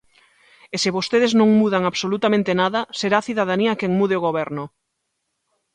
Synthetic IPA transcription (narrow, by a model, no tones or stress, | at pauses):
esɪβost̪eð̞eznõŋmuðaŋaβsolut̪amẽnt̪enaðɐseɾaːθiðaðaniakeŋmuðeoɣoβɛɾnʊ